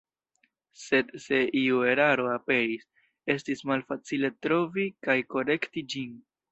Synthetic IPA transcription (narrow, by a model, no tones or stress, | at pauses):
se̞dse̞ʔiue̞ɾaɾo̞ape̞ɾis | e̞stismalfat͡sile̞tɾo̞vikajko̞ɾe̞ktid͡ʒin